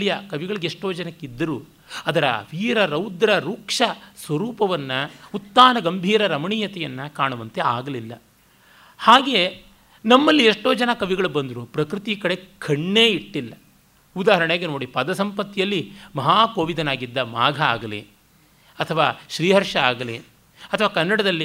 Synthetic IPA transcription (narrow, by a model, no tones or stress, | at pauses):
ijɐkɐʋiɡɐɭiɡeeʂʈoːd͡ʒɐnɐkːid̪ːɐɾuː | ɐd̪ɐɾɐ̰ʋiːɾɐɾɐwd̪ɾɐɾuːkʂɐsʋɐɾuːpɐʋɐnːɐut̪ːaːnɐɡɐmbʱiːɾɐɾɐmɐɳiːjɐt̪ɛjɐnːɐkaːɳuʋɐnt̪eaːɡɐlilːɐ̰ | haːɡe̞ː | nɐmːɐlːieʂʈoːd͡ʒɐnɐkɐʋiɡɐɭubɐnd̪ɐɾupɾɐkɾit̪ikɐɽe̞kʰɐɳːeːiʈːilːɐ | ud̪aːɦɐɾɐɳeːɡeno̞ːɽipɐd̪ɐsɐmpɐt̪ːijɐlːimɐɦaːkoːʋid̪ɐnaːɡid̪ːɐmaːɡʱɐa̰ːɡɐlḭ | ɐt̪ʰɐʋaːʃɾiːɦɐɾʂɐaːɡɐli | ɐt̪ʰɐʋaːkɐnːɐɽɐd̪ɐlːi